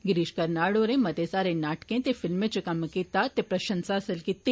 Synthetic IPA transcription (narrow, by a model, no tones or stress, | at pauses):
ɡɪɾiːʃkɐɾnaːɽoːɾẽmɐt̪esaːɾẽnaːʈkẽt̪efɪlmet͡ʃukɐmkit̪at̪epɾɐʃɐnsaɐsəlkit̪ːi